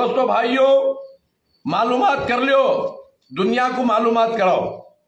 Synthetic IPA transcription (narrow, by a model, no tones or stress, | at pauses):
oːst̪oːbʱaːijoː | maːluːmaːt̪̚kəɾljoː | d̪ʊnɪjakomaːluːmaːt̪kəɽao